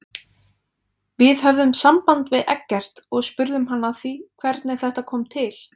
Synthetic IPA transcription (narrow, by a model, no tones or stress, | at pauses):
vɪðɦœvðʏmsampant̪vɪðʔɛ̰cːɛr̥t̪ɔɣspʏɾðʏmɦanːaθikʰvɛɾt̪nɪθɛht̪akʰɔːmt̪ʰɪl̥